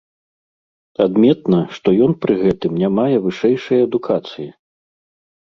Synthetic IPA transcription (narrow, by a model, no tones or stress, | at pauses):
ad̪mʲɛt̪̚nɐʂt̪ɔjɔnpɾɨɣɛt̪ɨmnʲamajɛvɨʂɛjʂɐjɐɐd̪ukʰat̪sɨji